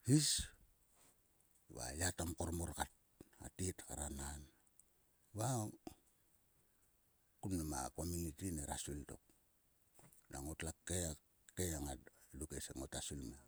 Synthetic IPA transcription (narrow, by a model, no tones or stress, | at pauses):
his | βa̰jatamkoɾmoɾkat̚ | a̰titkaɾanan | βa | kumnama̰komunitineɾasulto̰k̚ | naŋotlakea | kejaŋalukesḛŋotasulme